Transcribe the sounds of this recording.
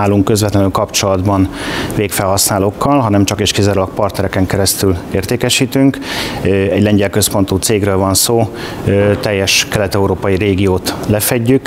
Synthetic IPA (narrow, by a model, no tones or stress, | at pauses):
aːluŋkːø̞zʋɛt̪lɛnyːlkɒpt͡ʃo̞lɒd̪bɒnveːkfɛlɦɒsnaːloːkʰːɒlɦɒnɛmt͡ʃɒkeʃkizaɾulɒk̚pɒrt̪nɛɾɛkɛŋkɛɾɛst̪yleːrt̪eːkɛʃiːt̪yŋk | ɛɟlɛɲɟɛlkø̞spo̞nt̪uːt̪seːɡrøːlvɒnsoː | t̪ɛjːɛʃkɛlɛt̪ɛuɾoːpɒjiɾeːɡijoːt̪lɛfɛɟːyk